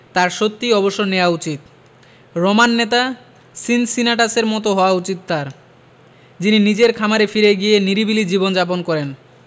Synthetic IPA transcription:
t̪aɾʃot̪ːiɔboʃːoneaut͡ɕit̪̚ | ɾɔmanːet̪a | sinsinaʈaseɾmɔt̪oɦɔoaut͡ɕit̪̚ːaɾ | d͡ʑininid͡ʑeɾkʰamaɾefiɾeɡijeniɾibilid͡ʑibond͡ʑap̬onkɔɾen

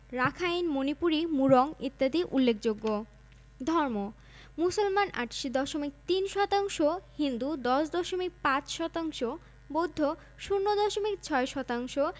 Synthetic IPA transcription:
ɾakʰajnmonipuɾimuɾɔŋit̪ːad̪iʔulːekʰd͡ʑoɡːo | d̪ʱɔɾmo | musolmanʔa̰ʈʃid̪ɔʃomik̚t̪inʃɔt̪aŋʃohind̪ud̪ɔʃd̪ɔʃomik̚pãt͡ɕʃɔt̪aŋʃo | bod̪ʱːo | ʃunːod̪ɔʃomikt͡ɕʰɔeʃɔt̪aŋʃo

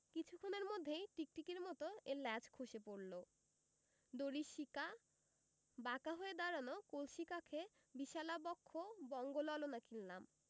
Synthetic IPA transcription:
kit͡ɕʰukʰːoneɾmod̪ʱːejʈik̚ʈikeɾmɔt̪oelɛd͡ʑkʰoʃepoɾlo | d̪oɾiʃika | bakaɦoed̪aɾanokolʃikakʰe | biʃalabɔkʰːobɔŋɡolɔlonakillam

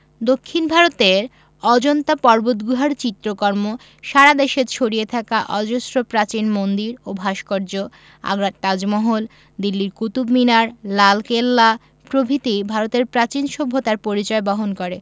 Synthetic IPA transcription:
d̪okʰːinbʱaɾot̪eɾ | ɔd͡ʑont̪apɔɾbot̪̚ɡuɦaɾt͡ɕit̪ːɾokɔɾmo | ʃaɾad̪eʃeɾt͡ɕʰoɽijet̪ʰakaʔɔd͡ʑosɾopɾat͡ɕinmond̪iɾobʱaʃkɔɾd͡ʑo | a̰ɡɾat̪̚t̪ad͡ʑmɔɦol | d̪ilːiɾkut̪ubminaɾlalkelːa | pɾobʱit̪ibʱaɾot̪eɾpɾat͡ɕinʃobʱːot̪aɾpoɾit͡ɕɔebɔɦonkoɾe

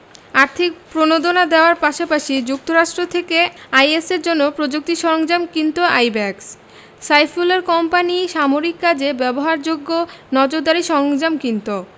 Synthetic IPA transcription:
aɾt̪ʰik̚pɾonod̪onad̪eoaɾpaʃapaʃid͡ʑuk̚t̪oɾaʃʈɾot̪ʰekeajeseɾd͡ʑonːopɾod͡ʑuk̚t̪iʃɔɾoŋd͡ʑamkint̪oajbɛks | sajfuleɾkɔmpaniʃamoɾikːad͡ʑebɛboɦaɾd͡ʑoɡːonɔd͡ʑoɾd̪aɾiʃɔɾoŋd͡ʑamkint̪o

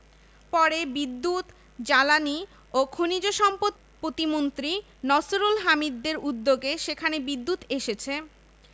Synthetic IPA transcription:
pɔɾebid̪ːut̪ | d͡ʑalani | okʰonid͡ʑoʃɔmpot̪̚ | pɾot̪imont̪ɾi | nɔsoɾulɦamid̪ːeɾud̪ːoɡeʃekʰanebid̪ːut̪eʃet͡ɕʰe

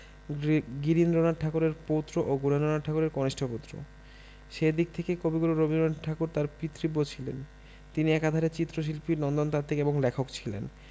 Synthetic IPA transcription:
ɡiɾinɾonaʈʰakoɾeɾpot̪ɾoʔoɡunenɾonaʈʈʰakoɾeɾkoniʃʈʰopot̪ːɾo̰ | ʃed̪ik̚t̪ʰekekobiɡuloɾobinɾoaʈʰakuɾt̪aɾpit̪ːɾibːot͡ɕʰilḛn | t̪iniɛkad̪ʱaɾet͡ɕit̪ːɾoʃ̬ilpiɾnɔnd̪ont̪aɾt̪ʰekeeboŋlɛkʰokt͡ɕʰilḛn

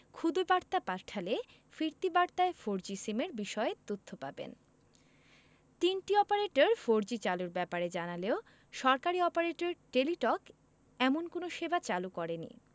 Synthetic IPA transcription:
kʰud̪obaɾt̪apaɾʈʰale | fiɾt̪ibaɾt̪aefoɾd͡ʑisimeɾbiʃɔet̪ot̪ʰːopa̰bḛn | t̪inʈiɔpaɾeʈoɾfoɾd͡ʑit͡ɕaluɾbɛpaɾed͡ʑanaleo | ʃɔɾkaɾiɔpaɾeʈeɾʈeliʈɔk | ɛmonkonoʃebat͡ɕalukɔɾenḭ

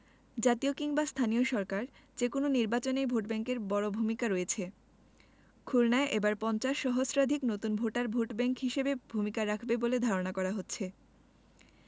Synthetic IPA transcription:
d͡ʑat̪iokiŋbast̪ʰanioʃɔɾkaɾd͡ʑekononiɾbat͡ɕonejbʱoʈbɛŋkeɾbɔɽobʱumikaɾoet͡ɕʰe | kʰuɾnaeʔebaɾpɔnt͡ɕaʃːɔɦosɾad̪ʱiknot̪unbʱoʈaɾbʱoʈbɛŋkɦiʃebebʱumikaɾakʰbeboled̪ʱaɾonakɔɾaɦotːɕʰe

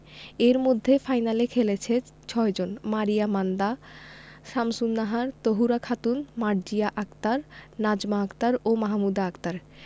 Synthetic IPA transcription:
eɾmod̪ʱːefajnalekʰelet͡ɕʰe | t͡ɕʰɔed͡ʑonmaɾijamand̪a | ʃamsunːaɦaɾt̪oɦuɾakʰat̪unmaɾd͡ʑijaʔakt̪aɾnad͡ʑmaakt̪aɾomaɦmud̪aakt̪aɾ

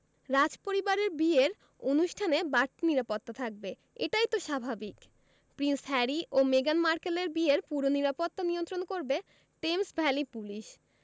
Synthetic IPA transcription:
ɾad͡ʑpoɾibaɾeɾbieɾ | onuʃʈʰanebaɾʈniɾapot̪ːat̪ʰak̚be | eʈajt̪oʃabʱabik | pɾinsɦɛɾiʔomeɡanmaɾkeleɾbieɾpuɾoniɾapot̪ːanijont̪ɾonkoɾbe | ʈemsbʱɛlipuliʃ

